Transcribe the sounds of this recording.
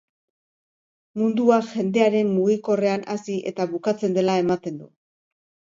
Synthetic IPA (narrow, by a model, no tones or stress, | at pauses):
mund̪uaʝe̞nd̪e̞aɾe̞mmuɣiko̞re̞anasiʔe̞̰t̪aβukat͡se̞nd̪e̞lae̞mat̪e̞nd̪u